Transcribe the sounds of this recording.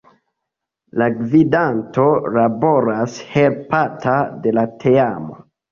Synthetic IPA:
laɡvidanto̞labo̞ɾashelpatʰade̞latʰeamo

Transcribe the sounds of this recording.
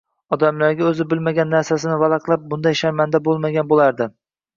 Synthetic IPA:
ɒd̪amlaɾɡʲaɵzɪbɪlmaɡʲanːaɾsasɪnɪvalɑqlˠap̚bʊnd̪ajʃaɾmand̪abolˠmaɡʲanbolˠaɾd̪ɪ

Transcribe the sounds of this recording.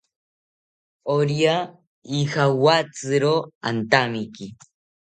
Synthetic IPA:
oɾja | ixawat͡sɨɾoa̰nt̪amiki

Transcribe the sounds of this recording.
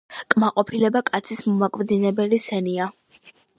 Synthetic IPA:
kʼmaqʼɔpʰilɛbakʼat̪sʰismɔmakʼvd̪zinɛbɛlisɛnia

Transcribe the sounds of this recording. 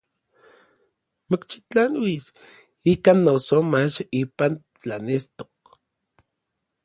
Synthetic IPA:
mokt͡ʃi̥t͡ɬanwis | ikanːosomat͡ʃipan | t͡ɬanest̪o̥k̚

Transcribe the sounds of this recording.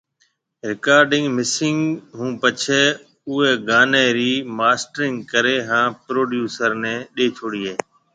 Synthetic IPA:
ɾɪkaːɾɖɪ̃ŋɡmɪsɪŋɡɦũːpət͡ʃʰeː | ʊɦeːɡaːneːɾiːmaːsʈɾɪŋɡkəɾeːɦãːpɾoːɖjuːsəɾnɛ̃ːɗeːt͡ʃʰoːɽiːɦeː

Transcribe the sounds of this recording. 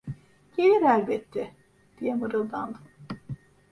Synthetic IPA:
ɟ̥elʲiɾælʲbɛt̪ʰːɛ | d̪̥ijɛmɯɾɯlˠd̪and̪ɯm

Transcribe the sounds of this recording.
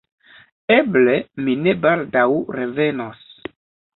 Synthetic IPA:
ebleminebaldawɾeve̞nos

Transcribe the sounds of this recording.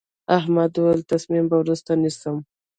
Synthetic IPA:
aɦmad̪ualt̪asmimbawɾust̪anisəm

